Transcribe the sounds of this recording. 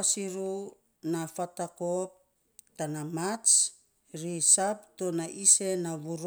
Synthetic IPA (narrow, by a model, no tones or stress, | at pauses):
asiɾu | nafatakop̚ | tanamat͡ʃ | ɾisap̚tonaʔise̞naβuɾ